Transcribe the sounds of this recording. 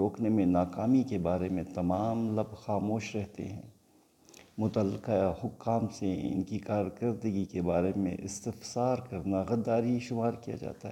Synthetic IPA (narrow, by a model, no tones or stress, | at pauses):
ɾoːknemẽnaːkaːmikebaːɾemẽt̪ɐmaːmlɐbxaːmoːʃɾɛɦt̪ḛɦɛ̃ː | mʊt̪əlːɪqaahʊkːaːmseɪ̰nkikaːɾkəɾd̪əɡikebaːɾemḛ̃ʔɪ̰st̪ɪfsaːɾkɐɾnaɣɐd̪ːaːɾiʃʊmaːɾkija̰d͡ʒa̰ːt̪aɦɛː